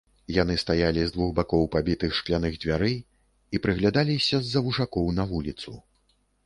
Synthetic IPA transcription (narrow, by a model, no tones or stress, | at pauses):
jan̪ɨst̪ajalʲizd̪vuɣbakɔwpabʲit̪ɨxʂklʲanɨɣd͡zʲvʲaɾɨ | ipɾɨɣlʲad̪alʲisʲɐzːɐvuʐakɔwnɐvulʲit̪su